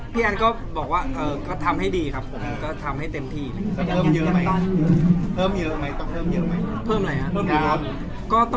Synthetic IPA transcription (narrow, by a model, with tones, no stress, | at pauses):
pʰiː˥˩ʔa˧nkɔː˥˩bɔː˨˩k̚waː˥˩ʔɤː˧kɔː˥˩t̪ʰa˧mha˥˩jdiː˧kʰa˦˥pʰːo˩˦m˧kɔː˥˩t̪ʰa˧mha˥˩jt̪e˧mt̪ʰiː˥˩la˧˩ŋi˧˥˩pʰɤː˥˩˨mjəː˧ma˦j̪ɔ˥˩˧pʰɤː˥˩mjɤː˧ma˦˥jt̪ɔ˥˩ŋpʰɤː˥˩mjɤ˧˥ma˦˥jpʰɤː˥˩mla˧jha˦˧˥a˧˩˧ | kɔː˥˩t̪ɔ˥˩